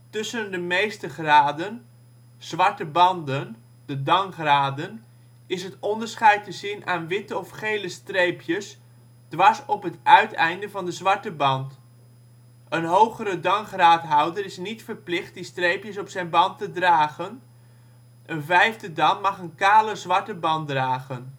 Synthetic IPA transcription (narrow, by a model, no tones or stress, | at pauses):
tʏsəndəmejstəχraːdən | z̥ʋɑɹtəbɑndən | d̥ədɑŋχraːdən | ɪsɦətɔndəɹsχɛjtəzɪnʔaːnʋɪtəɔfχejləstrejpjəs | d̥ʋɑɹsɔpɦətœɥtɛ̰jndəvɑndəzʋɑɹtəbɑnt | ənɦowχəɾədɑŋχraːtɦʌwdəɾɪsnitfəɹplɪχt̚distrejpjəsɔpsɛjnbɑntədraːχən | ʔənvɛjvdədɑnmɑχənkaːləzʋɑɹtəbɑndraːχən